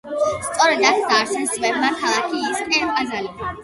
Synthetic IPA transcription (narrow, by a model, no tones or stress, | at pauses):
st̪sʼɔɾɛd̪at̪ʰd̪aːʃɛnst̪ʼvɛbmat̪ʰalˠakʰiːskʼɛpʼazali